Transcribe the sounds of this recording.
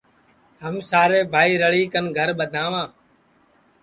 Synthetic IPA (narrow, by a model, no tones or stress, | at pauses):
ɦəmsaːɾeːbʱaːiːɾəɭiːkənɡʱəɾɓəd̪ʱãːʋãː